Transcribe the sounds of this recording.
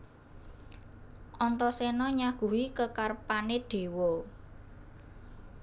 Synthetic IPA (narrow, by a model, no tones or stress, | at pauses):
ʔɔnt̪ɔsenɔɲaɡ̥ṳwikəkarpaneɖ̥e̤wɔ